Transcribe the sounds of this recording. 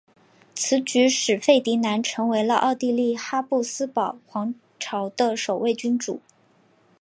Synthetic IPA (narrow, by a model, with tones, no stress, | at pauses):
t͡sʰɹ̩˧˥t͡ɕy˧˥ʂɻ̩˨˩fe˥˩ɪt̪i˧˥na˧˥nʈ͡ʂʰɤ˧˥ŋwe˧˥ɪlə̰˧ʔɑ̰˥˧ʊt̪i˥˧li˥˩xa˥pu˥˩sɹ̩˥pɑ˨˩ʊxwɑ˧˥ŋ | ʈ͡ʂʰɑ˧˥ʊd̪ə˧ʂo˨˩ʊwe˥˩ɪt͡ɕy˥nʈ͡ʂu˨˩˦